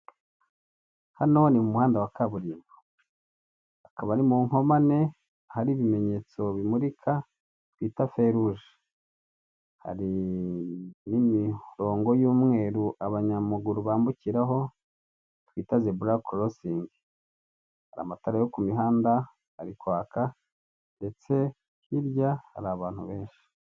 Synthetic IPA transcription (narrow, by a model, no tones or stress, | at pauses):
hano̞nimumuhaːndawakaβuɾiːmbo̥ | akaβanimuːŋho̞mane̞ | ahaɾiːβime̞ɲe̞t͡so̞βimuɾikʰa | twiːtafeɾuʒe | ha̰ɾi | nimiɾo̞ːŋɡo̞juːmŋe̞ːɾuʔaβaɲamuɡuɾuβaːmbuciɾaɦo̞ | twiːtazebuɾakʰoɾosiːŋɡi | haɾa̰mataɾajo̞kumiɦaːnda | aɾikwaːka | nde̞t͡se̞ | hiɾjaha̰ɾaβaːn̥huβe̞ːnʃi̥